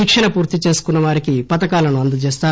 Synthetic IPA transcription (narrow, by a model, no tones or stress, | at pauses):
iːkʂɐɳɐpuːɾt̪it͡ʃe̞ːsu̥kunːɐʋaːɾikipɐt̪ɐkaːlɐnuɐnd̪ut͡ʃeːst̪aː